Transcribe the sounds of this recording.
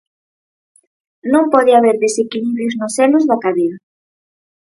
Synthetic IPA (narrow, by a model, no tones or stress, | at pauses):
nõmpɔðɪaβeɾðesekiliβɾjoznosɛlʊzðakaðeɾa